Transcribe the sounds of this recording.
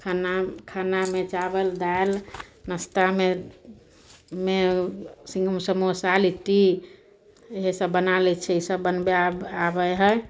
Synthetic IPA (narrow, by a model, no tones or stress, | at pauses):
kʰanakʰanamet͡ʃabəld̪ajlnəst̪ame | mesĩŋɡəmsəmusaliʈi | eɦsəbːənalɛt͡ʃʰɛisəbːənbeaabəjɦɛj